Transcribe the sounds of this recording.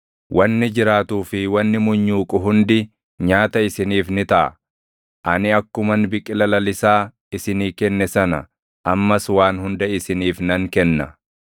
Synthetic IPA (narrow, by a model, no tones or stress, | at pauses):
wʔɐnːɪd͡ʒɪɾaːt̪uːfɪwɐnːɪmʊɲːuːkʼʊɦʊnd̪ɪ | ɲaːt̪ɐɪsɪniːfnɪt̪ɐʔɐ̰ | ʔɐnɪɐkːʊmɐnbɪkʼːɪlɐlɐlɪsaː | ɪsɪniːkɛnːɛsɐnɐ̰ | ʔɐmːɐswaːnhʊnd̪ɐɪsɪniːfnɐŋkɛnːɐ